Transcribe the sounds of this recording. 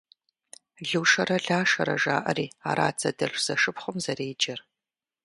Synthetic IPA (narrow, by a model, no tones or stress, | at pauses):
ɮɨwʂɐrɐɮaːʃɐ̰ɾɐ̰ʒa̰ːʔɐ̰ɾiːa̰ːɾa̰ːt͡sʰɐdɐɬʷz̥ɐʂɨpχʷʊmzɐreːd͡ʒɐr